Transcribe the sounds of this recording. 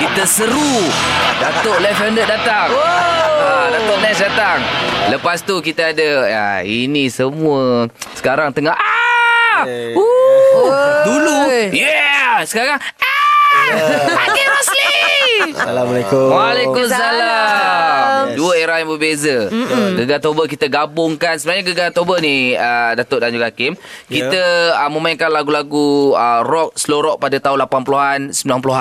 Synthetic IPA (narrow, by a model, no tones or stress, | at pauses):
kit̪əsəɾu | dat̪oʔlɛfəndədat̪aŋ | adat̪oʔnɛsdat̪aŋləpast̪ukit̪aadəa̰inisəmuəsə̥kaɾaŋt̪əŋaha | u | dulujɛsə̥kaɾaŋa | akeməsli | alwalekʊmsala | mduəeɾahjaŋbəbezəɡəɡat̪obəkit̪əɡabʊŋkansəbaɲaɡəɡat̪obəniədat̪oʔdaɲd͡ʒuɡakɪmkit̪əəmə̃maiŋkanlaɡulaɡuərɔk̚səloɾɔk̚padat̪aɦunlapanpuluɦansəbilanp̬uluɦan